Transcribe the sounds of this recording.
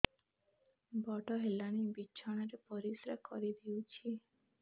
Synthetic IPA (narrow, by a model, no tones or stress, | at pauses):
bɔʈɔɦelaɽ̃ibiːʃʰɔɽ̃aɾepɔɾisɾakɔɾid̪iwt͡ʃʰi